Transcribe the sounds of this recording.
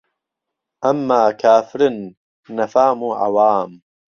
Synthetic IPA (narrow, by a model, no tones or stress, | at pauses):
ʔɐmːaːkʰaːfɾnː | ɐfaːmuːʔa̰waːm